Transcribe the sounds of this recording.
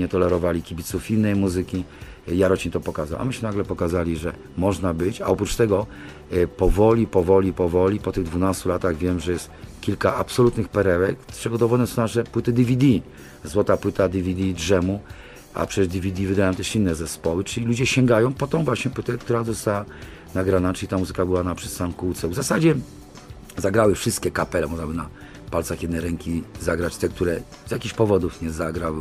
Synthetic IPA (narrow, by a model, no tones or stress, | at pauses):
ɲɛt̪ɔlɛɾɔvalʲikʲibʲit̪sufinːɛjmuzɘkʲi | jaɾɔt͡ɕint̪ɔpɔkaza̰wʔa̰mɘɕmɘnaɡlɛpɔkazalʲiʐɛ̰ | mɔʐnabɘt͡ɕa̰ɔpɾut͡ʂt̪ɛɡɔ | pɔvɔlʲipɔvɔlʲipɔvɔlʲipɔt̪ɘɣd̪vunast̪ulat̪aɣvʲjɛmʐɛjɛst̪kʲilkaʔapsɔlut̪nɘxpɛɾɛwɛkpʂɛɡɔd̪ɔvɔnɛsɔ̃naʂɛpwɘt̪ɘd̪ʲivʲid̪ʲi | zwɔt̪apwɘt̪ad̪ʲivʲid̪ʲidʐɛmu | a̰pʂɛɛʐd̪ʲivʲid̪ʲivɘd̪ajɔ̃m̃t̪ɛʂinːɛzɛspɔwɘt͡ʂɘlʲilud͡ʑɛɕɛŋɡajɔ̃w̃pɔt̪ɔ̃w̃vwaɕɲɛpwɘt̪ɛkt̪uɾazɔst̪awa | naɡɾanat͡ʂɘlʲit̪amuzɘkabɘwanapʂɛ̥st̪amkuwt̪sɛvzasad͡ʑɛ | zaɡɾawɘfʂɘst̪kʲɛkapɛlɛmɔʐnabɘna | palt̪saxjɛd̪nɛjɾɛŋkʲizaɡɾat͡ɕt̪ɛk̚t̪uɾɛ | z̥ʲjakʲiɕpɔvɔd̪ufɲɛzaɡɾaw